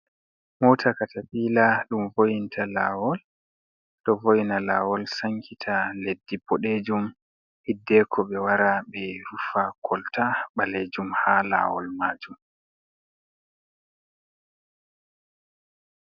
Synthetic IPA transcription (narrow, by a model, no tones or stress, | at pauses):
mɔtʰakatʰaɓiːlaɗumvojintʰala̰ːwɔl | ɗɔvojnala̰wɔlsaŋkʰitʰaledːipɔɗed͡ʒum | hidːɛkʰɔɓɛwaɾaɓɛɾufakʰɔltaɓaled͡ʒumhala̰ːwɔ̰lmaːd͡ʒum